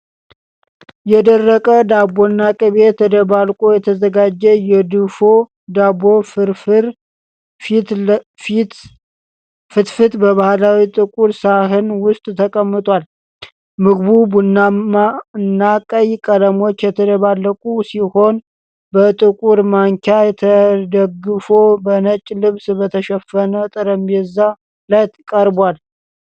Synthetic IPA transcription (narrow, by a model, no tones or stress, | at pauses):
jɛd̪ərːəkʼəd̪abonːakʼɨβet̪ʰəd̪əβalkʼojɛt̪ʰəzəɡad͡ʒːɛjɛd̪ɨfo | d̪abo̞fɾfɾ | t̪ | t̪ | fɨt̪fɨt̪bəβahlawit̪ʼɨkʼuɾsaɦɨnwʊst̪ʼt̪ʰəkʼəmːɨt̪ʼwʷal | mɨɡbubunaaɨnːakʼəjkʼələmo̞t͡ʃːjɛt̪ʰəd̪əβalːəkʼusiho̞n | bət̪ʼɨkʼuɾmaŋkʰajɛt̪ʰəd̪əɡːɨfo̞bənət͡ʃʼːlɨβsbət̪ʰəʃɛfənət̪ʼɨɾəmbeza | lajt̪kʼəɾbal